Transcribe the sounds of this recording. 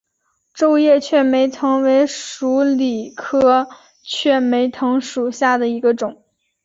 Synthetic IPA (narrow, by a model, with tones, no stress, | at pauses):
ʈ͡ʂo˥˧ʊjɛ˥˩˧t͡ɕʰɥɛ˥˩me˧˥ɪt̪ʰɤ˧˥ŋwe˧˥ɪʂu˧˥li˨˩kʰɤ˥ | t͡ɕʰɥɛ˥˩me˧˥ɪt̪ʰɤ˧˥ŋʂu˨˩ɕja˥˩d̪ə˩i˧˥ɡə˧ʈ͡ʂʊ˨˩˦ŋ